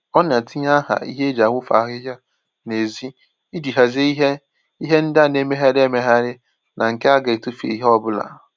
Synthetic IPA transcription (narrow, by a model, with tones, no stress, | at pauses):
ɔ˦n˨a˨tɪ˦ɲa˦ɦa̰˨ḭ˦ɦe˦e˦d͡ʒa˨ŋʷʊ˦fa̰˨˦ɦɪ˦ɦja˦ | ne˨zi˦ | i˦di˨ɦa˨ze˦i˦ɦe˦ | i˦ɦe˦n̩˦da˦˨ne˦me˦ɦa˦ɾe˦me˨ɦa˦ɾɪ˦ | na˨ŋ̩˨ke˦a˦ɡe˨e˨tu˦fḛ˨i˦ɦe˦ɔ˦bʊ˦la̰˨